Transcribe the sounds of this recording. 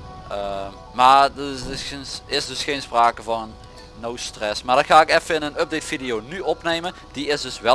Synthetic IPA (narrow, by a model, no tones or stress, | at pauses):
ə | maːdsensɪsdɵsxejnspraːkəvɑnənː | owstrɛsmaːdɑnxaːɪkɛfəɪnənøp̚detfidijownyɔpnejmən | d̥iɪsdɵsʋɛ